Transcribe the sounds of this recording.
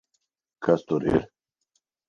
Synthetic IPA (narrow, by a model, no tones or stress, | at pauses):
kʰast̪oɾḛɾ